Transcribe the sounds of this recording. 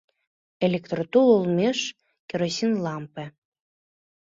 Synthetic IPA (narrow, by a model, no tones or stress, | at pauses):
elʲekt̪rot̪ulˠulˠmʲeʃ | kʲeɾosʲinlɑmpĕ